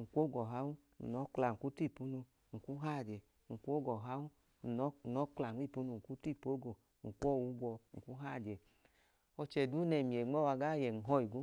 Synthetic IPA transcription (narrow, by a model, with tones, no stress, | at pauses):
ŋ̩˨kʷo˦ɡɔ˨ɦa˦u˦ | n̩˨nɔ˨˦kla˨ŋ̩˨ku˦ti˦˨pu˦nu˧ | ŋ̩˨ku˦ɦa˦˨dɛ˨ | ŋ̩˨kʷo˦ɡɔ˨ɦa˦u˦ | n̩˨˦˨nɔ˨˦kla˨˦i˦˨pu˦nu˧˨ŋ̩˨ku˦ti˦˨po˦ɡo˨ | ŋ̩˨kʷɔ˦˨wu˨˦ɡɔ˧ŋ̩˨ku˦ɦa˦˨dɛ˨ | ɔ˧t͡ʃɛ˨du˦nɛ˧˨mi˨e˨ŋ͡mɔ˦wa˧ɡa˦˨jɛ˨ŋ̩˨ɦɔ˧i˨ɡu˦